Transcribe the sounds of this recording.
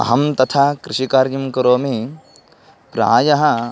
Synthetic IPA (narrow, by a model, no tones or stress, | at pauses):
ɐ̰ɦɐmt̪ɐt̪ʰɐkɾɪʃikaːɾjɐmkɐɾoːmi | pɾa̰ːjɐɦɐ